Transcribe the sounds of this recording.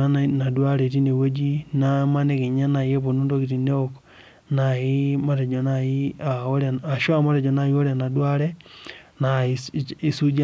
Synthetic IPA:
a˦na˨dwa˦ɾe˨t̬i˦ne˨wo˦d͡ʒi˦na˦ma˦ne˦ke˨ɲa˦na˨je˦po˨nu˦ndo˦ki˨ti˨ne˦ok | na˨i˦ma˦ɾe˨d͡ʒo˨naji˦a˨o˦ɾa˨a˨ʃo˦a˨ma˦te˨d͡ʒɔ˨na˨ji˦o˦ɾea˨na˨dwa˦ɾe˦ | na˨ii˦su˦d͡ʒa

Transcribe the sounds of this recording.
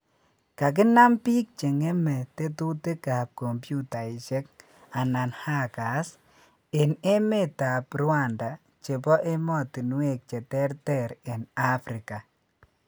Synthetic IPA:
ka˨k̬ɪ˦na˦mpi˦k̚t͡ʃe˨ŋe˦mɛ˨te˦tu˦te˦ka˨p̚ko˨mpju˦ta˨i˨t͡ʃe˦k̚ | a˨na˨nha˦ka˨s | e˨ne˦me˦ta˨prwa˦˨nda˨ | t͡ʃe˨pɔ˦ʔe˦mɔ˦˨ti˨n˦we˨k̚t͡ʃe˨tɛ˦rtɛ˨ɾe˨na˦fɾi˨ka˨

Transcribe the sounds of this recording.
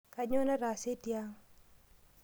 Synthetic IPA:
ka˨ɲo˦na˦ɾa˨se˦tja˦ŋ

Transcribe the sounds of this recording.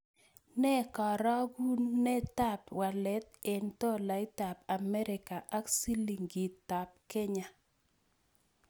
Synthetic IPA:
nɛ˦kɔ˨ɾɔ˦ɡu˦nːɛ˦ta˦˨pwa˨lɛ˦t̪̚e˨nt̪ɔ˦la˨ɪ˦t̪a˨pa˨mɛ˦ɾɪ˨ka˨ʔa˦ksi˦li˨ŋɡi˨t̪ːa˨p̚ke˦ɲa˨

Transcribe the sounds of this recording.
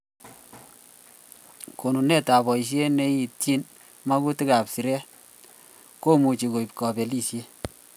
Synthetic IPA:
ko˨nu˨ne˦ta˨bɔ˨i˨ʃ̬je˦ne˦ji˨t̚t͡ʃi˦n | ma˦ku˦ti˦ka˨psi˨ɾɛ˦ | ko˦mu˨t͡ʃi˨ko˨i˨pkɔ˨pe˨li˦˨sje˦

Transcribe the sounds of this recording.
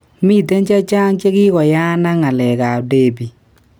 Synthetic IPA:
mi˦˨te˦ɲt͡ʃɛ˦t͡ʃa˦ŋt͡ʃe˦ɣɪ˦ɣɔ˨ja˦na˦ŋa˨lɛ˨ɣa˨de˦˨bi˨

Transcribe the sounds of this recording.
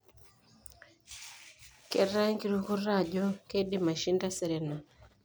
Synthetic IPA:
ke˨ɾa˦ŋki˦ɾu˦ku˦ɾa˦˨d͡ʒo˦ke˦di˦ma˨ʃi˦nda˦sɛ˨ɾɛ˨na˨

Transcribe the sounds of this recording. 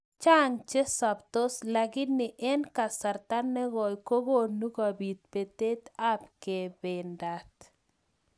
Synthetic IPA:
t͡ʃa˦ŋt͡ʃe˦sa˨pt̪o˦sla˨ɡɪ˦nɪ˨ʔɛ˦nka˨sa˨ɾt̪a˦nːɛ˦ɡɔ˨jko˦ɡo˦nu˦ɡa˨bi˨t̪̚pe˨t̪e˦t̪a˦pke˨bɪ˨nda˨t̪

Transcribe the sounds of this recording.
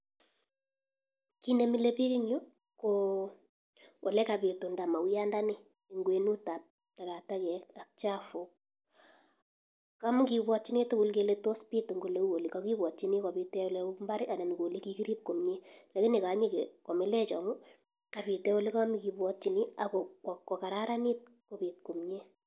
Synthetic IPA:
ki˦ne˦mi˦le˦pi˦ki˦ɲu˦ | ko˨ | o˨lɛ˦ka˨be˨to˨nda˨ma˨wja˦nda˦nɪ˦ | ɪ˨ŋɡwe˨nu˦ta˨p̚ | ta˨ka˨ta˦kɛ˨a˨k̚t͡ʃa˦fo˨k | ka˦m˦ki˨bwɔ˦t̚t͡ʃi˦ni˦tʊ˦bʊ˦lke˦le˦to˦spi˦tŋɡo˨le˦wo˨li˨kɔ˦ki˦bwɔ˨t̚t͡ʃi˦ni˦ko˨bi˦tɛ˦o˦lɛ˦mba˦ɾɪ˦a˨ne˨ni˨ko˨li˦ki˦ki˦ɾi˦p̚ko˨mɲe˦lɛ˨˦kɪ˦nɪ˨ka˨˦ɲi˦˨ke˨ko˨me˦lɛ˦t͡ʃɔ˨mu˦ | ka˨bi˨tɛ˦o˦le˦ka˦mi˦ki˨bwɔ˦t̚t͡ʃi˨ni˦a˨ko˨kɔ˨kɔ˨ka˨ɾa˦ɾa˦ni˦t̚ | ko˦bi˨t̚ko˨mɲe˦

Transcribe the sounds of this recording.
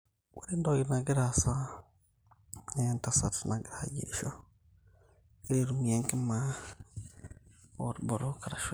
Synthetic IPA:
wa˦ɾe˦ndo˦ɡi˨na˨ɡɪ˦ɾa˨sa˦ | ne˨nta˨sa˨tna˨ɡɪ˦ɾa̰˨ɟḛ˨ʃo˦ | ɡe˦ɾe˨ɾu˨mie˦ŋ˦ke˦ma˦ | o̰˨ɾbo˨ɾo˦ka˨ɾa˨ʃ

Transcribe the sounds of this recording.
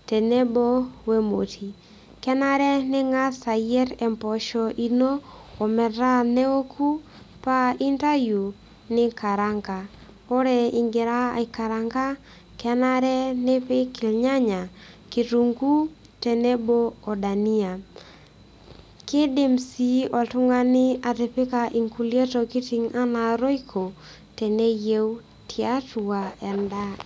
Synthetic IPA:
te˨ne˦bo˦we˦mo̰˨tʰi˨ | kɛ˦na˦ɾɛ˦nɪ˦ŋa˦sa˨jɛ˦ɾɛ˨mpɔ˨ʃɔʔi˦no˦ɔ˨mɛ˨ɾa˦nɛ˦o˦kʰu˦ | pa˦i˦nta˦ju˨ | nɪ˦ka˨ɾa˦ŋɡa˨ | ɔ˦ɾɛ˨i˨ŋɡɪ˨ɾa˦ɪ˨ka˨ɾa˨ŋɡa˦ | kɛ˦na˦ɾɛ˦nɪ˦pɪ˦kɪ˨lɲa˦ɲa˨ki˨tu˨ŋɡu˦ | tɛ˨nɛ˦boː˦˨da˨ni˦a˨ | kɪ˦dɪ˦msi˦ɔ˨tʊ˦ŋa˦nɪ˦a˨te˨pɪ˦ka˨ʔi˨ŋku˨le˦to˨ki˦ti˨ŋa˦na˨ɾo˦ikʰo˨ | tɛ˨ne˦je˦w | tʰi˨a˦tu˨a˨ɛ˨nda˦

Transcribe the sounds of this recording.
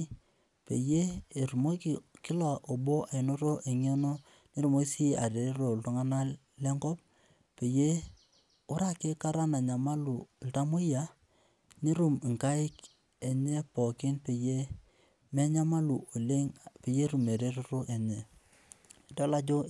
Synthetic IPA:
pe˨je˦e˨ɾu˨mo˦ki˨kɪ˦lɔ˨ʔo˨bo˦a˨ɪ˨no˦ɾo˦ʔe˨ɲe˦no˦ | ni˦ɾu˨mo˦si˦a˨ɾe˨ɾe˦ɾo˨lto˦ŋa˦na˦ | lɛ˦ŋkɔ˦p̚ | pe˨je˦ | ʊ˦ɾa˦ke˦ka˦ɾa˦na˨ɲa˨ma˦lu˨lta˦mo˦ja˨ | ni˦ɾu˨m˨ŋka˦ɪ˦k | e˨ɲe˦pɔ˨kɪ˦npe˨je˦ | mɛ˦ɲa˦ma˦lu˨o˨le˦ŋpe˨je˦ɾu˨me˨ɾe˦ɾu˦ɾo˦ʔe˨ɲe˨ | dɔ˦la˦d͡ʒo˦

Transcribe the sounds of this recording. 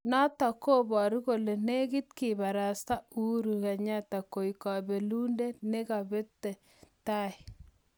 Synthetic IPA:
nɔ˦ta˨ko˦bɔ˨ɾi˦ko˨le˨ne˦ɡi˦tki˨ba˨ɾa˨sta˦u˦ɾu˨ka˨ɲa˦ta˨ko˨ika˨be˨lu˦nde˦ne˦ka˨be˦tːɛ˨ | ta˦i˨

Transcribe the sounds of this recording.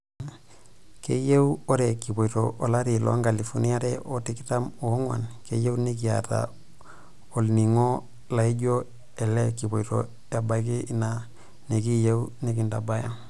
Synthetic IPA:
ke˦je˦wo˦ɾɛ˨ki˨bo˨to˨ʔːla˦ɾi˨lɔ̰˦ŋɡa˨li˨fu˨ni˦a˦ɾɛ˦ʔo˦ti˦kita˦mo˨˦ŋwa̰˨nke˦je˦u˦ni˦k̬i˨ja̰˨ta̰˨ | o˨lni˨ŋo˦ | la˨i˦ɟo˦ | ɛ˨lɛ˦ki˨bo˨ito̰˨ | ja˨ba˨jk̬iː˦na | ne˨ki˦je˦u˦ne˦ki˨nda˨ba˦ja˦ŋ

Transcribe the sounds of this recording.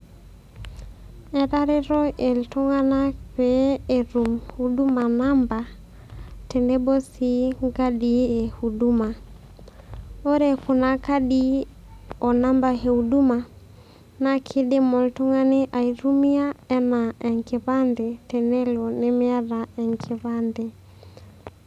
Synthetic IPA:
ɛ˨ɾa˦ɾe˦ɾɔ˦e˨ltu˦ŋa˦na˦pe˦e˨ɾu˨mu˦du˦ma˨na˦mba˨ | te˨ne˦bo˦si˦ŋɡa˦di˦e˨hu˨du˦ma˨ | o˦ɾe˨ku˨na˨ka˦di | ɔ˨na˦mba˨ɦe˨u˨du˦ma˨ | na˦kʰɪ˦de˦mɔ˨ltu˦ŋa˦ne˦ʔa˨iɾu˦mi˦a˦ɛ˦na˨ɛ˨ŋke˨βa˦nde˨tɛ˨ne˦lo˨ne˦mɪ˦a˦ɾa˨ɛ˨ŋkʰɪ˨βa˦nde˨

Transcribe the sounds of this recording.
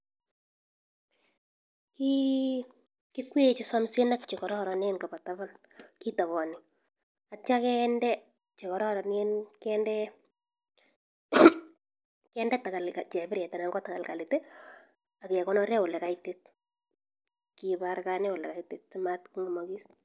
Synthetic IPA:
ki˦ | kikwe˦t͡ʃɪsɔmse˦nakt͡ʃi˨kɔ˨ɾɔ˦ɾɔ˨nenka˨ba˨taβal | ki˦ta˨βɔ˨nɪ˨ | a˨t͡ʃa˦kɛndɛ˦ | t͡ʃe˨kɔ˨ɾɔ˦ɾɔnie˦nkɛndɛ˦ | kɛndɛ˦ta˨ka˨lkat͡ʃɛ˨bɪɾɛ˨ta˨na˨ŋɡɔ˦taka˨lka˨lɪ˨te˦ | a˨kɛ˨kɔnɔɾɛ˦ʊ˨lɛ˨ka˨itet̚ | ki˨baɾkanɛ˦ʊ˨lɛ̰˨ka˨itet̚simatku˦ŋɡɔ˨mɔkis

